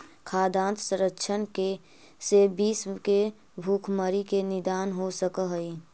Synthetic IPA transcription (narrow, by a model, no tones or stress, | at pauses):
kʰaːd̪ãːnt̪sə̃ɾəkːʃʰənke | sebiːske | bʱuːkʰməɾikenɪd̪aːnɦosəkəɦəi